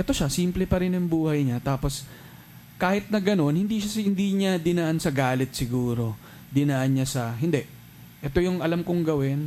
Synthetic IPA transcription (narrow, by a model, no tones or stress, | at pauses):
ʔɛt̪o̞ʃasiːmplɛpɐɾɪnjʊŋbuːhɐjɲat̪aːpo̞s | kaːhɪt̪̚nɐɡɐno̞nhɪnd̪iːʃaɪnd̪iːɲad̪ɪnɐʔansɐɡaːlɪt̪̚sɪɡuːɾo̞ | d̪ɪnaʔɐnɲasɐɦɪnd̪ɛʔ | ʔɛt̪o̞jʊŋʔɐlamkʊŋɡɐwɪn